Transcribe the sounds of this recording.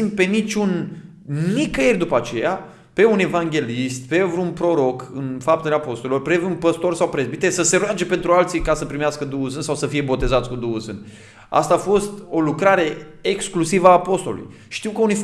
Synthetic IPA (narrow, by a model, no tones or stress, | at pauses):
impe̞nit͡ʃʲun | nikəjerʲd̪upəat͡ʃe̞ja | pe̞une̞vaŋɡʲe̞list̪̚pe̞vɾunpɾo̞ɾo̞kɨnfap̚t̪eleapo̞st̪olelorpɾevunpəst̪o̞rsawpɾezbit̪esəse̞ɾoad͡ʒe̞pe̞nt̪ɾualt̪sijkasəpɾimeaskəd̪uuzɨnsawsəfije̞bo̞t̪e̞zat̪sʲkud̪uuzɨn | a̰st̪aːfo̞st̪o̞lukɾaɾe̞ | eksklusivəaːpo̞st̪o̞̰lṵj | ʃʃt̪iwkəunif